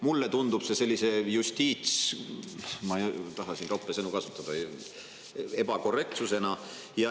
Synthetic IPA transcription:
mulːet̪und̪ub̥se̞se̞lʲːise̞jusʲt̪ʲiːt̪s | mɑt̪ɑɦɑsint̪opːˑesenukɑsu̥t̪ːˑɑd̪̥ɑ | e̞bɑko̞re̞k̚t̪suse̞nɑ | jɑ

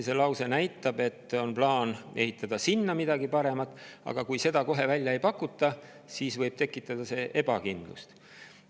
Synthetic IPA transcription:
se̞lɑwse̞næjt̪ːˑɑb̥e̞t̪ːˑo̞nplɑːne̞ɦit̪ːˑɑd̪̥ɑsinːɑmid̪̥ɑɡipɑɾe̞mɑt̪ːˑɑ̰ɡ̥ɑkujse̞d̪̥ɑko̞ɦe̞vælʲjɑe̞jpɑkːˑut̪ˑːɑ | siːsvɤjb̥̚t̪e̞kːˑit̪ːˑɑd̪̥ɑse̞ːʔe̞b̥ɑ̰kind̪̥lṵst̪

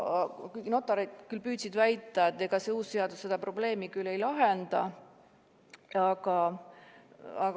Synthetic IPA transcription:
kujno̞t̪ːˑɑɾed̪̥kylpyːd̪̥ʲsid̪væjt̪ːˑɑet̪ːˑeɡ̥ɑseuːsse̞ɑd̪usːe̞d̪ɑpro̞ble̞ːmikylːe̞jlɑɦend̪̥ɑ | ɑɡ̥ɑ | ɑk

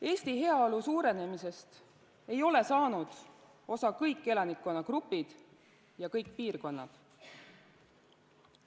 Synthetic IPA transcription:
e̞ːst̪iɦe̞ɑolusuːɾe̞ne̞mise̞st̪ | e̞jo̞le̞sɑːnud̪̥ | o̞sɑkɤjkˑːe̞lɑnikːˑo̞nɑkrupːˑid̪̥ | jɑkɤjk̚piːrko̞nːɑ̰d̪̥

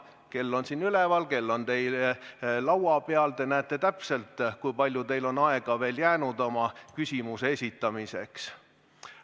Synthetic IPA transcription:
ke̞lːo̞nsinylɛvɑlke̞lːo̞nt̪e̞jllɑwɑpeɑlt̪e̞næːt̪ːˑe̞t̪æpse̞lt̪ˑkujpɑlʲjut̪e̞jlo̞nɑe̞ɡ̥ɑve̞ːljæːnud̪o̞mɑkysʲimuseesʲit̪ːˑɑmise̞̰ks

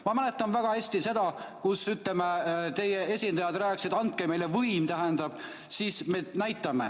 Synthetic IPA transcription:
mɑmæle̞t̪ːˑɑnvæɡ̥ɑhesʲt̪ise̞d̪̥ɑkusyt̪lemet̪e̞jee̞sʲind̪ɑjɑd̪̥ræːksid̪ɑnt̪̚keme̞jlevɤjmt̪æɦend̪̥ɑb̥ | siːsme̞næjt̪ːˑɑmḛ

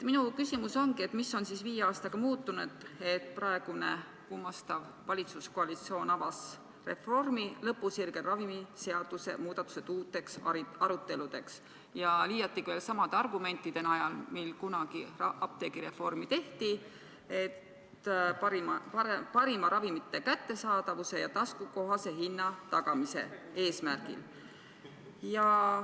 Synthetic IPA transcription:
minukysimuso̞nɡiet̪ːˑmisːo̞nsisviːjeɑːst̪ɑɡ̥ɑmuːt̪ːunud̪̥e̞t̪ˑpɾɑe̞ɡ̥une̞̰ | kumɑst̪ɑv | vɑlʲit̪susko̞ɑlit̪sio̞ːnɑvɑs | re̞̰fo̞rmilɤpːuserɡ̥erɑvimise̞ɑd̪̥use̞̰muːd̪̥ɑt̪ːu̥se̞t̪uːt̪ːˑe̞ksɑɑɾut̪ːe̞lud̪̥e̞ks | jɑliːjɑt̪ːˑikve̞ːlsɑmɑd̪̥eɑrɡume̞nt̪ːˑid̪̥e̞nɑjɑlmilkunɑɡ̥iɑɑp̚t̪e̞ːɡ̥iɾe̞fo̞rmit̪e̞ht̪i | e̞t̪ | pɑɾimpɑepɑɾimɑɾɑvimit̪ˑːe̞kæt̪ːe̞sɑːd̪̥ɑvuse̞jɑt̪ɑskuko̞ɦɑse̞ɦinːɑt̪ɑɡ̥ɑmise̞̰ | e̞ːsmærɡḭl | jɑ

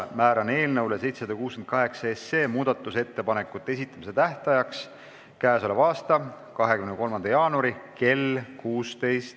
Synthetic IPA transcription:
mæːɾɑne̞ːlnɤwlese̞jt̪sesɑd̪ɑkuːsken̚kɑɦe̞ksɑesːe̞ːmuːd̪̥ɑt̪ːˑuse̞t̪ːe̞pɑne̞kːˑut̪ːˑee̞s̬it̪ːˑɑmise̞t̪æht̪ɑjɑks | kæːso̞levɑːst̪ɑ | kɑɦe̞kymnko̞lmɑnd̪ɑjɑːnuɑɾike̞lkuːst̪e̞jst̪

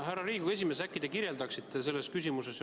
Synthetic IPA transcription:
hærːɑɾiːɡ̥ue̞s̬ʲimesækˑːid̪ekiɾje̞ld̪ɑksit̪ːese̞lːe̞skysimuse̞s

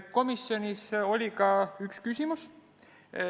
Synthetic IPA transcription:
ko̞misːjo̞nʲiso̞lʲikɑykskysimus

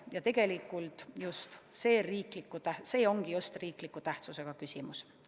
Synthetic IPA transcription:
jɑt̪e̞ɡ̥e̞likːˑult̪ˑjust̪se̞ːriːklikːˑut̪æhse̞ːo̞ŋɡ̥ijust̪riːklikːˑut̪æht̪suse̞ɡ̥ɑkysimus

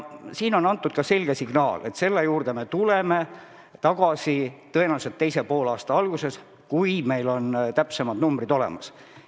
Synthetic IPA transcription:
siːno̞nɑnt̪ːˑud̪̥kɑse̞lʲɡ̥esiɡ̥nɑːle̞t̪se̞lːe̞juːrd̪̥eme̞t̪ule̞me̞ | t̪ɑɡ̥ɑsit̪ɤenɑset̪ːe̞jsepo̞ːlɑːst̪ɑɑlɡ̥use̞s | kujme̞jlo̞nt̪æpse̞mɑd̪numbɾid̪o̞le̞̰mɑs

